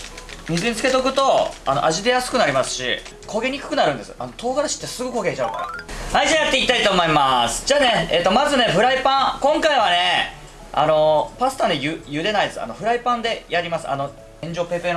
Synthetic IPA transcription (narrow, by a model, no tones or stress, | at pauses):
ɲ̟ʲizɨɲit͡sɨ̥ket̪o̞k̬ɯ̟t̪o̞ano̞̰ʔaʑid̪e̞jasɨ̥kɯ̟naɾʲimasɨ̥ɕḭ | kʰo̞ɡe̞ɲ̟ʲikɯ̟̥kɯ̟naɾɯ̟̃nd̪e̞sɨ̥̰ano̞t̪o̞ːɡaɾaɕi̥t̪ːe̞sɨɡokoɡʲe̞ːt͡ɕaɯ̟ka̰ɾa̰aid͡ʑaːjat̪ːe̞ikʲit̪ait̪o̞ːmo̞imasɨ̥d͡ʑaːne̞et̪ːo̞mazɨne̞ɸɯ̟ɾaipãkõ̞ŋkaiβ̞ane̞ | a̰no̞pasɨ̥t̪ane̞jɯjɯ̟d̪e̞naid̪esɨa̰no̞ɸɯ̟ɾaipãnd̪e̞jaɾʲimasɨ̥̰a̰no̞ | ẽ̞ɲd͡ʑo̞ːpe̞pe̞ɾ